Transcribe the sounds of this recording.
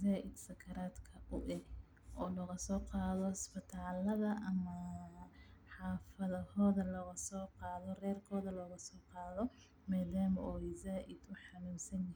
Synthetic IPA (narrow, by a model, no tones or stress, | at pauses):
zaːʔɪd̪sɐkʰɐɾaːd̪kʰɐʔʊʔɛɡ | ʔɔːlɔːɣɐsɔːqɑːðɔspɪt̪ʰaːlɐðɐʔɐmɐ | ħɑːfɐðɐhɔːðɐlɔɣɐsɔːqɑːðɔrɛːrkʰɔːðɐlɔːɣɐsɔːqɑːðɔ | maːðaːmɔɪzaːʔɪd̪̥ʊħɑlɪmsɐnjɐh